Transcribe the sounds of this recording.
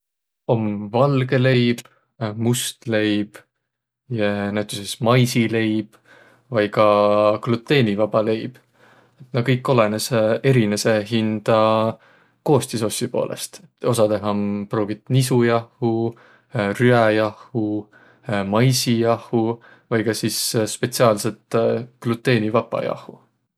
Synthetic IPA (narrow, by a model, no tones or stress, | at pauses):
o̞mːvɑlɡe̞le̞jb̥ | must̪le̞jb̥ | jɑnæwt̪ːˑysesmɑjsile̞jb̥ | vɑjkɑklut̪ːˑe̞ːnivɑb̥ɑle̞jb̥ | et̪nɑkɤjkːˑo̞lenesee̞ɾinese̞ɦind̪̥ɑ | ko̞ːst̪iso̞sʲːipo̞̰ːlʔḛst̪o̞sɑd̪e̞ɦɑproːɡ̥it̪ːˑnisujɑhːu | ryæjɑhu | mɑjsijɑhu | vɑjɡ̥ɑsisspe̞t̪siɑːlset̪klut̪ːˑe̞ːnivɑpːˑɑ̰jɑ̰hˑu